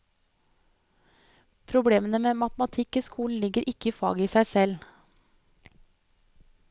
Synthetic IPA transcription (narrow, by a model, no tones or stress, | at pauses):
pʰɾʊbɽeːmənəmeːmɑt̪mɑt̪ʰɪkiːskʰuːln̩lɪɡəɾʔɪkəiːfɑ̰ːɡəiːsæɪsɛl